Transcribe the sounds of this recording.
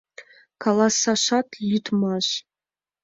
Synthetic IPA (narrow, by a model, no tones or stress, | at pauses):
kʰalasaʃatʰjitʰmaɕ